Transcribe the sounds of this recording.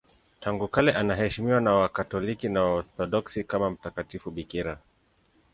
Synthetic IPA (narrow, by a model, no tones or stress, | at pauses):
taŋɡukalɛʔanaɦɛʃimiwanawakatɔlikinawaɔθɔɗɔksikamam̩takatifuɓikiɾa